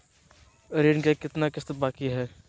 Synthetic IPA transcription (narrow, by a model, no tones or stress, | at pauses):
ɾeːnkekɪt̪nakɪst̪baːkiɦɛː